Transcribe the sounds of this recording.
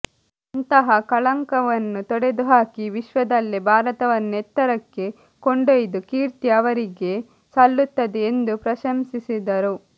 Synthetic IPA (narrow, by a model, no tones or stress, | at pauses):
ɐnt̪ɐɦɐkɐɭɐŋkɐʋɐnːut̪ɔɽed̪uɦaːkiʋiʃʋɐd̪ɐlːibʱaːɾɐt̪ɐʋɐnːuet̪ːɐɾɐkːe̞ | koɳɖɐjd̪ukiːɾt̪iɐʋɐɾiɡe̞ | sɐlːut̪ːɐd̪eːnd̪upɾɐʃɐmsisid̪ɐɾu